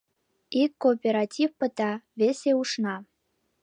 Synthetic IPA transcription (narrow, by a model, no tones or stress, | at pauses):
ikːoːpʲeɾɑtʲifpə̆t̪ɑβʲesʲeuʃnɑ